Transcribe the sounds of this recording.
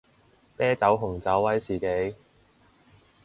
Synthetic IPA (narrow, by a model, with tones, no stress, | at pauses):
pɛː˥t͡sɐ˨˥wɦʊ˨˩ŋt͡sɐ˨˥wːɐ˨˥jsiː˨˩ke˨˥j